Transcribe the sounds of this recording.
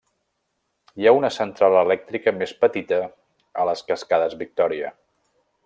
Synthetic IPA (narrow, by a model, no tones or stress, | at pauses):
jaunəsənt̪ɾaləlɛk̚t̪ɾikəmespət̪it̪ə | ələskəskaðəzβik̚t̪ɔɾiə̰